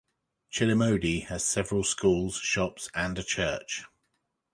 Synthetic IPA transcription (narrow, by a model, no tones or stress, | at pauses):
t͡ʃʰɪlɪməʊdiəz̥sɛvəɹəlˠskuːlˠz̥ʃɒpsə̃nət͡ʃʰɜˑt͡ʃ